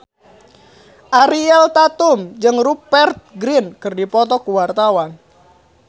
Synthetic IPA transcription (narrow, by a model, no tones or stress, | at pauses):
ʔaɾiɛlt̪at̪umd͡ʒɨŋrupɛrt̪̚ɡɾinkɨrdipɔt̪ɔkuwart̪awan